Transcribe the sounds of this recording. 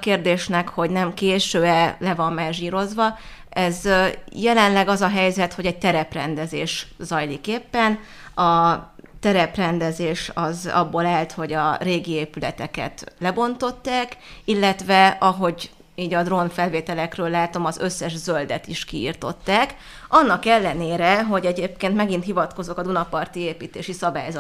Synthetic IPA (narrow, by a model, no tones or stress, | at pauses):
keːrd̪eːʃnɛkho̞ɟnɛmkeːʃøːɛlɛvɒmːɛʒiːɾo̞zʋɒ | ɛzjɛlɛnlɛɡɒzɒɦɛjzɛt̪ho̞ɟɛɟ̚t̪ɛɾɛprɛnd̪ɛzḛːʃzɒjlikeːpːɛn | ɒ | t̪ɛɾɛprɛnd̪ɛzeːʃɒzɒ̰bːoːlaːlt̪ho̞ɟɒreːɡieːpylɛ̰t̪ɛkɛ̰t̪lɛbo̞nt̪o̞t̪ːaːkilːɛt̪vɛɒɦo̞ɟ | iːɟɒd̪ro̞nfɛlveːt̪ɛlɛkrøːlːaːt̪o̞mɒzø̞sːɛʒzø̞ld̪ɛt̪iʃkiḭrt̪o̞t̪ːaːk | ɒnːɒkɛlːɛneːɾɛɦo̞ɟɛɟeːp̚keːnt̪mɛɡint̪ɦivɒt̪ko̞zo̞kɒd̪unɒpɒrt̪ieːpiːt̪eːʃisɒbaːjzɒ